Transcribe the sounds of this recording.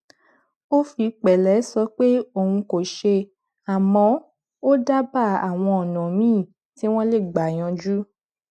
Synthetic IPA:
o˦fi˧k͡pɛ˨lɛ˨˦sɔ˧˦k͡pe˦o˦˨wũ˧ko˨ʃe˧ | a˨mɔ̃˨˦ | o˦da˦ba˦˨a˨w̃ɔ̃˧ɔ˨nɔ̃˨mĩː˦˨ | ti˨˦w̃ɔ̃˦le˦˨ɡ͡ba˨j̃ɔ̃˧d͡ʒu˦

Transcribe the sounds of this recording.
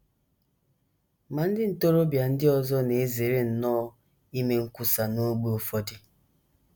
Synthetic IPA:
ma˨n̩˦dɪ˦n̩˨to˦ɾo˦bja˨n̩˦dɪ˦ɔ˦zɔ˦ne˨e˦ze˨ɾe˦n̩˨nɔː˦ | i˦me˨ŋ̩˦ku˦sa˨no˦ɡ͡be˦o˨fɔ˦di˦

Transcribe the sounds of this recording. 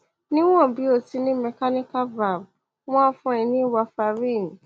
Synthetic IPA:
nɪ̃˦wɔ̃˦˨bi˦o˨ti˦nɪ̃˦mɛ˨ka˦nɪ˦ka˦va˨ɾ | wã˦fʊ̃˦ɛ̃˨nĩ˦wa˨fa˨ɾĩ˦˨n˨

